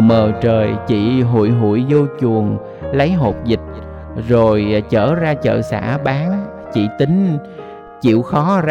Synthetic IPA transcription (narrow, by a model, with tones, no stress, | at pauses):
məː˨˩t͡ɕəː˨˩jt͡ɕḭ˧˨ɦṵ˧˨jɦṵ˧˩˨jzo˧t͡ɕu˨˩əŋ | lə˨˦jɦo˨˩t̚zi˨˩t̚ | zo˨˩jt͡ɕəː˧˩zaː˧t͡ɕə̰ː˧˨sa̰ː˧˥ɓaː˨˦ŋ | t͡ɕḭ˧˨t̪ï˨˦ŋ̟ | t͡ɕḭ˧˨əwxɔ˨˦